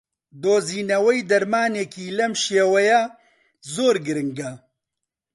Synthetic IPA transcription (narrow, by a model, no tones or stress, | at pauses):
d̪oːziːnɐwɛjd̪ɐɾmaːneːkiːlɐmʃeːwɛja | zoːɾɡɨɾɨŋɡɐ